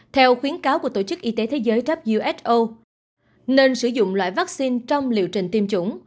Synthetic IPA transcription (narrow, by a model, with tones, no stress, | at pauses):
t̪ʰɛ˧wxwi˨˦ənkaː˨˦wku˧˩ə˩t̪o˧˩t͡ɕɨ˦˥k̚ʔi˧t̪e˨˦t̪ʰe˨˦zəː˨˦jt͡ɕə˦˥p̚zu˧ʔɛ˦˥t̚ʔo˧ | ne˧nsɨ˧˩zʊ̰˧˨ŋ͡mlwa̰ː˧˨jvaː˦˥k̚si˧nt͡ɕɔ˧wŋ͡mlḭ˧˨əwt͡ɕï˨˩ŋ̟t̪i˧mt͡ɕʊ˧˩ŋ͡m